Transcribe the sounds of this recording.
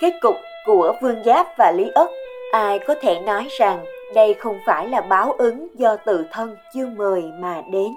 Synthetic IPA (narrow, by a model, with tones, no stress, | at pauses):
ke˦˥t̚kʊ˨˩k͡p̚ku˧˩əvɨ˧əŋzaː˦˥p̚vaː˨˩li˨˦ʔə˦˥t̚ʔaː˧jkɔ˨˦t̪ʰe˧˩nɔ˨˦jza˨˩ŋɗə˧jxə˧wŋ͡mfaː˧˩jlaː˨˩ɓaː˨˦wʔɨ˨˦ŋzɔ˧t̪ɨ̰˧˨t̪ʰə˧nt͡ɕɨ˧əməː˨˩jmaː˨˩ɗe˨˦n